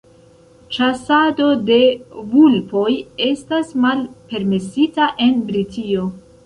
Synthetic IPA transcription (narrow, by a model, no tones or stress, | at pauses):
t͡ʃasado̞de̞vulpo̞je̞stasmalpe̞ɾme̞sitaʔe̞nbɾitio̞